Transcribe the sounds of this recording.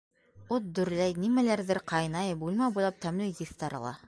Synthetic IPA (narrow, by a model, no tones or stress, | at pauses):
ot̪̚d̪ɵ̆ɾlæjnimælæɾðɘɾqʰɑjnɑjbujlˠmɑbujlˠɑp̚t̪æmlɘjjiθt̪ɑɾɤ̰̆lˠɑ̰